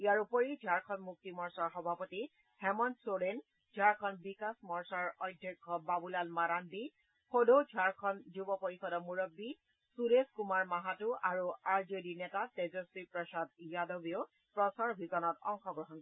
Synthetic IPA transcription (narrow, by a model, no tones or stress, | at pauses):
ijaɹupɔɹid͡ʒʱaɹkʰɔnmuk̚timɔɹsaɹxɔbʱapɔti | hɛmɔnsoɹen | d͡ʒ̥ʱaɹkʰɔnbikasmɔɹsaɹɔjdʱːɛkʰːɔbabulanmaɾanbi | xodod͡ʒʱaɹkʰɔnzubɔpoɹixɔdɔmuɹɔbːi | suɾeskumaɹmaɦatuʔaɹuaɹzedinɛtatɛzɔsipɹɔsadjadobio | pɹɔsaɹbʱizɔnɔtɔŋxɔɡɹɔɦɔnk